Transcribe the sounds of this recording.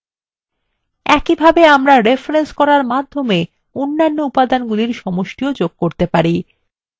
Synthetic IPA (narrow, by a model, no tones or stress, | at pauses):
ɛkibʱabeamɾaɾefɾenskɔɾaɾmad̪ʱːome | onːanːoupad̪anɡuliɾʃɔmoʃʈiod͡ʑoɡ̚koɾt̪epaɾi